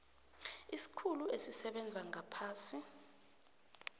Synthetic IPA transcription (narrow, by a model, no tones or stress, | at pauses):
isi̥kʰuluesisɛɓɛnd͡zʱaŋʱapʰaːsi